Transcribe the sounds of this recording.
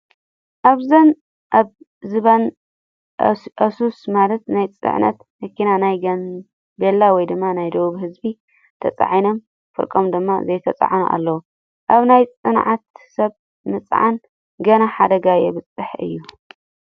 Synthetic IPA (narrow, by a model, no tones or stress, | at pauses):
ʔaβzɐn | ʔaβ | zɨβan | ʔɐsusmalɐt̪najt͡sʼɨ̰ʕnʔɐ̰t̪ | mɐkːinanajɡɐn | belːawɔjd̪ɨmːanajd̪ɐwuβhɨzbi | t̪ʰɐt͡sʼa̰ʕino̞m | fɨ̰ɾkʼomd̪ɨmːa̰zɐjt̪ʰɐt͡sʼa̰ʕnṵʔa̰lːɐwu | ʔaβnajt͡sʼɨnʕat̪̚sɐβ | mɨt͡sʼʕa̰n | ɡɐnaħad̪ɐɡajeβɨt͡sʼːɨħɨ̰jːu